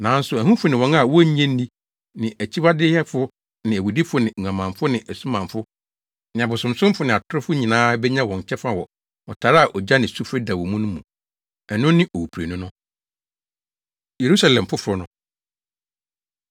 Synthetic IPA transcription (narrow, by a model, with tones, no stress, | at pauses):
nã˨˦n˦sʊ˨æ˨hũ˦fʊ˨˦nɪ̃˨wɔ̃˨ŋa˦˨wɔ˦ɲ˦ɛ̃˦n˦dĩ˦ | nɪ̃˨ʔæ˨t͡ɕʰi˦ba˦dɪ˦hɛ˦fʊ˦ | nɪ̃˨æ˨wu˨di˦fʊ˦nɪ̃˨u˨ã˨mã˨mfʊ˦nɪ̃˨ʔæ˨sũ˦mã˨mfʊ˦ | nɪ̃˨a˨bʊ˨sʊ̃˨msʊ̃˦m˦fʊ˦nɪ̃˨a˨tʰʊ˦ɾʊ˦fʊ˦ɲĩ˨nãː˦bɛ˦ɲã˦wɔ̃˨t͡ɕʰɛ˦fa˨wɔ˨ | ɔ˨tʰa˨ɾa˦a˨ʔɔ˨d͡ʑa˦nɪ̃˨su˦fɾɛ˦da˨wɔ˨mũ˦nʊ̃˦mũ˨ | ɛ˨nʊ̃˦nɪ̃˦ʔɔ˨wu˨pʰɾe˨nʊ̃˦nʊ̃˦ | je˨ɾu˦sa˦lɛ̃˨mfʊ˦fʊ˦nʊ̃˨